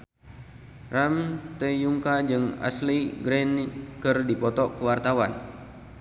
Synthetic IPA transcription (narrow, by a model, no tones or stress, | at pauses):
ramt̪əjuŋkad͡ʒɨŋa̰sliɡɾɛnkɨrdipɔt̪ɔkəwart̪awan